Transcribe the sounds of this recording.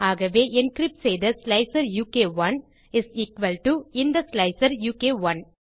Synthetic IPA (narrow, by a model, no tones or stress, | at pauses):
aːɣɐʋeːʔɛ̃nkɾɪp̚ʈseɪd̪ɐslɐɪsɐɾjuːkeːʋɐ̃n | ɪsiːkʋɐlʈuɪ̃nd̪ɐslɐɪsɐɾjuːkeːʋɐ̃n